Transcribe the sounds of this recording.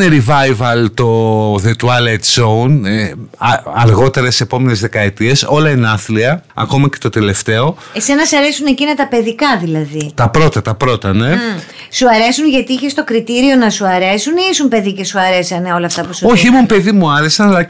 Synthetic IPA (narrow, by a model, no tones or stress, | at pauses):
eɾivɐjvɐlt̪oðet̪uɐlet̪zown | ɐɾɣo̞t̪e̞ɾesse̞po̞me̞nezðe̞kɐe̞t̪ie̞so̞lɐinɐθliɐɐ̰ko̞mɐce̞̥t̪o̞t̪e̞le̞ft̪e̞o̞ | esenɐsɐɾe̞sune̞cinɐt̪ɐpe̞ðikɐðilɐðit̪ɐpɾo̞t̪ɐt̪ɐpɾo̞t̪ɐne | suɐɾe̞sunʝɐt̪iiçe̞st̪o̞kɾit̪iɾio̞nɐsuɐɾe̞suniisumpe̞ðice̞suɐɾe̞sɐneo̞lɐft̪ɐpusuo̞çiimumpe̞ðimuɐɾe̞sɐnɐlɐ